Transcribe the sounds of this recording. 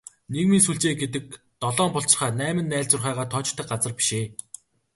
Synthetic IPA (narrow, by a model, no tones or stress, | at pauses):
neɣmiːnsuɮt͡ɕeːɡet̪̬ɘ̆k̚ | t̪ɔɮɔːmpɔɬt͡ɕ̆χaːnæːmɘ̆nːæːɮt͡sʊrχæːʁaːt̪ʰɔt͡ɕt̪ʰːə̆k̚ɢat͡sə̆rpi̥ʃeː